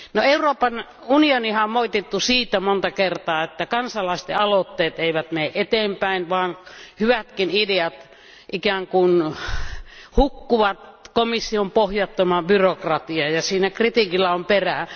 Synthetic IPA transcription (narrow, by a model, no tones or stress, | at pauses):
noeuroːpɑn | unionihɑommoit̪et̪ːusiːt̪æmont̪ɑkert̪ɑːet̪ːækɑnsɑlˑɑˑist̪ḛɑlot̪ːeːt̪eˑiʋæt̪meːʔʔet̪eːmpæinʋɑːnhyʋæt̪kinideɑt̪ | ʔikæŋkun | hukːuʋɑt̪komisːiompohjɑt̪ːomɑbyrokrɑt̪iɑjɑsiːnækrit̪ikilːɑomperæ